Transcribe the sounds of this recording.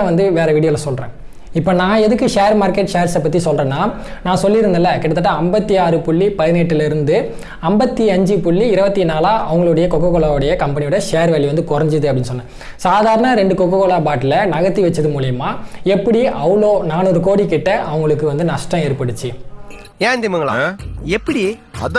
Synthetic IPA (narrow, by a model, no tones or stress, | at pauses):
ʋɐnd̪ɯʋeːɾɐʋiɽɪjɐlɐsɔlrɾẽː | ɪpːoːnãːɛðɯkːɯʂeːɐɾmaːɾkɛʈʂeːɾsɛpːɐt̪ːisɔlrẽːnːaː | nãːsɔlːɪɾɯnd̪ɐlːɐkɪɽɐt̪ːɐʈːãɐmbɐt̪ːiaːɾɯpʊɭːipɐðɪneːʈːɪlɪɾɯnd̪ɯ | ɐmbɐt̪ːiɐɲd͡ʒɯpʊɭːiɪɾɐʋɐt̪ːinaːlaːʔɐʋɐŋɡɐɭɯɽɐjɐkɔkːɐkɔːɭaːɯɽɐjɐkɐmpɐnɪjɯɽɐʂeːɾʋɐːɭːiʋɐnd̪ɯkʊɾɐɲd͡ʒɯðɯɐpɐɽɪnːɯsɔnːɛ̃ː | saːðaːɾɐnɐɾɛɳɖɯkɔkːɐkɔːɭaːpaːʈːɪlɐnɐɣɐt̪ːiʋɐt͡ʃːɐðɯmuːlɪjɐmaːɛpːɐɽiʔɐʋɯɭoːnaːnɔɾɯkoːɽikɪʈːɐʔɐʋɐŋɡɐɭɯkːɯʋɐnd̪ɯnɐʂʈɾɐ̃eːɾpɐɽɯt͡ʃːɯ | jẽːnd̪ɪmɐŋɡɐɭaɛpːɐɽiɐð